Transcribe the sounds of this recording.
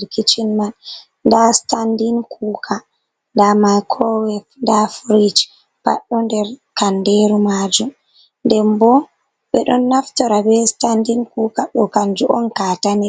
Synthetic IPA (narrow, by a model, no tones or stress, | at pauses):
ɾkit͡ʃinman | ndastandinkʰuːkʰa | ndamajkʰɔwɛfndafɾid͡ʒ | pa̰ɗːɔndɛɾkandeɾumad͡ʒum | ndɛmbɔ | ɓɛɗɔnːaftɔɾabɛstandinkuːkaɗɔkand͡ʒuʔɔnkaːtanɛ